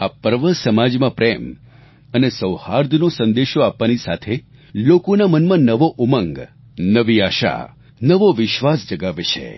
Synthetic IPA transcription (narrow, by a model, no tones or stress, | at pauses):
apəɾʋəsəmad͡ʒmãpɾem | ənesəwhaɾd̪ʱnõsə̃nd̪eʃoapʋanisa̰t̪ʰe | lokonamənmãnəʋoʔumə̃ŋɡ | nəʋiaʃa̰ | nəʋoʋɪʃʋasd͡ʒəɡaʋet͡ʃʰḛ